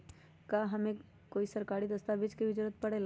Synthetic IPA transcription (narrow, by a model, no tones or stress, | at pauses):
kaɦɐmẽ | koːisɐɾkaːɾid̪əst̪abɪd͡ʒkibɪd͡ʒʊɾət̪̚pɐɽel